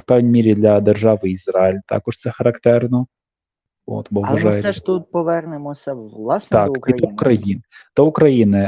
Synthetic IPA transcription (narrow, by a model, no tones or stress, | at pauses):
wpɛwnʲimʲiɾʲid̪lʲɐd̪erʒɑʋɪizrɑɪlʲt̪ɑ̰kɔʃt̪sɛxɐɾɐkt̪ɛrnɔ | o̰t̪bɔʒɑjesɛʃt̪ut̪̚pɔʋɛrnɪmɔsʲɐlˠasnɑkʲiukɾɐjind̪̥ɔʊkɾɐjinɪ